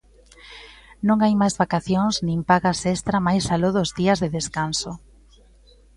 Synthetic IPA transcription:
nõŋajmajzβakaθjoŋznĩŋpaɣasest̪ɾamajsaloðozðiɐzðeðeskanso

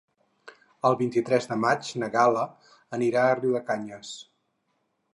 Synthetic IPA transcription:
əlˠβint̪it̪ɾɛzðəmat͡ʃnəɣalə | əniɾaəriwəkaɲəs

